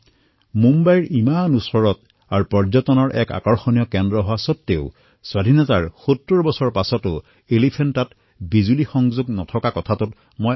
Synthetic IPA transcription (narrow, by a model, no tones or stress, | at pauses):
mumbajɹʔimanusɔɹɔt | aɹupɔɹzɔtɔnɔɹʔɛ̰ka̰kɔɹxonijɔkɛndɹɔɦɔwasɔtːeʊ | swadʱinɔtaɹxotːuɹbɔsɔɹpasɔtʊ | elipʰɛntat | bizulixɔŋzuɡnɔtʰɔkakɔtʰatʊt | moj